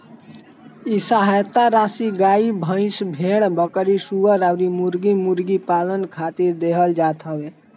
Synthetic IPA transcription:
isaɦat̪aɾasiɡaibʱə̃ɪ̃sbʱeɽ̃bəkəɾisuəɾawɾimuɾɡimuɾɡipalənkʰat̪iɾd̪eɦəld͡ʒat̪ʰɦəbe

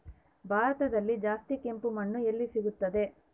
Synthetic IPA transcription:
bʱaːɾɐt̪ɐd̪ɐlːid͡ʒaːst̪ike̞mpumɐɳːuelːisiɡut̪ːɐd̪e̞

